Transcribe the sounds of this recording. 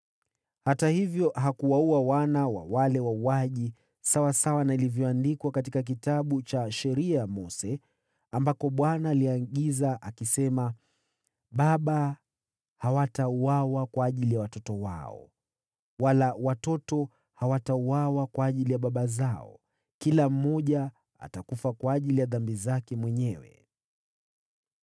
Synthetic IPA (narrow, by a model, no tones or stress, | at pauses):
hatahivjɔɦakuwauawanawa̰walɛwauaʄi | sawasawanailivjɔandikwakatikak̬itaɓut͡ʃaʃɛɾiajamɔsɛ | ambakɔɓwanaːliaɠizaʔakisɛma | ɓaɓa | hawatauawakwaːʄilijawatɔtɔwa̰ɔ̰ | walawatɔtɔ | hawatauwawakwaːʄilijaɓaɓazaɔ̰ | kilam̩ːɔʄa | a̰takufakwaːʄilijaðambizakɛmwɛɲɛwɛ̰